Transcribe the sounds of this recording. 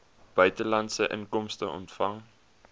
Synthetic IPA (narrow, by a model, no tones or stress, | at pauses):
b̥œɥtəlɐntsəʔə̰ŋkɔmstəɔ̰ntfɐŋ